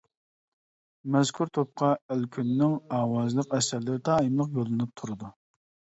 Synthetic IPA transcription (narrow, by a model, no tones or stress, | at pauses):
mɛz̥kʲʰuɾt̪ʰop̚qʰɑælkʲʰynːɪŋɑːwɑzlˠəqɛsɛɾlɪɾɪt̪ʰɑːimlˠəqbolˠɨnɪp̚t̪ʰuɾɨd̪u